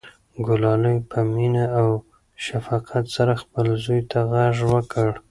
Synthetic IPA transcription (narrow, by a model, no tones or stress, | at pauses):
ɡʊlɑləjpʰəminaaw | ʃafɑqʰat̪saɾaxpəlzujt̪ʰaɣaʐwəkʰəɽ